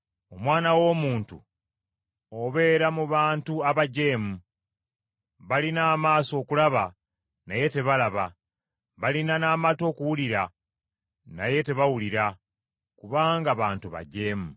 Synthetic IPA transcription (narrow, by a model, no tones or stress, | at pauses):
o̞mwaːnawo̞ːmuːntṵ | oβe̞ːɾamuβaːntuaβaɟe̞ːmu | βalinaːmaːso̞ːkulaβa | naje̞te̞βalaβa | βalinanaːmato̞ːkuwuliɾa | na̰je̞te̞βawuliɾa | kuβaːŋɡaβaːntuβa̰ɟe̞ːmu